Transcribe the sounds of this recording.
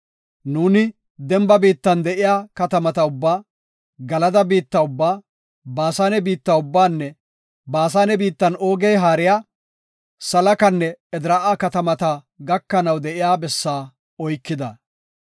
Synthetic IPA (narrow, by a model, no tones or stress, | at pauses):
nuːnɪ | d̪ɛmbɐbiːt̪ːɐnd̪ɛʔɪjaːkɐt̪ɐmɐt̪ɐʊbːaː | ɡɐlɐd̪ɐbiːt̪ːɐʊbːaː | baːsaːnɛbiːt̪ːɐʊbːaːnːɛ | baːs̬aːnɛbiːt̪ːɐnoːɡɛjɦaːɾɪjaː | sɐlɐkɐnːɛɛd̪ɪɾɐʔaːkɐt̪ɐmɐt̪ɐ | ɡɐkːɐnɐwd̪ɛʔɪjaːbɛsːaː | ɔjkːɪd̪ɐ